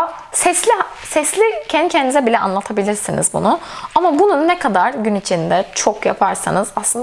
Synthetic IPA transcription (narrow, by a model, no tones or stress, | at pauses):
sɛslʲiɦ | sɛslʲicʰɛnd̪icʰɛnd̪izɛbilʲɛʔa̰nlˠat̪ʰabilʲiɾsinḭzbṵnʊamabununːɛkʰad̪aɾɟynit͡ʃʰind̪ɛt͡ʃʰokjapʰaɾsa̰nɯz̥aslˠɯn